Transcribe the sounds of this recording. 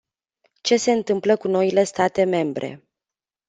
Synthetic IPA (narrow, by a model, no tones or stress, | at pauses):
t͡ʃe̞se̞ɨnt̪ɨmpləkuno̞ile̞st̪at̪e̞me̞mbɾe̞̰